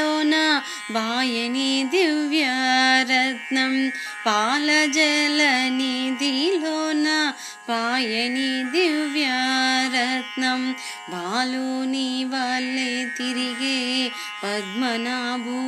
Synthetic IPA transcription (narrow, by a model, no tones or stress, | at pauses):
oːna | bʱaːjɐnid̪iʋjaɾɐt̪nɐm | paːlɐd͡ʒɛlɐnid̪iloːna | bʱaːjɐnid̪iʋjaɾɐt̪nɐm | bʱaːluniːʋɐlːet̪iɾiɡeː | pɐd̪̚mɐnaːbu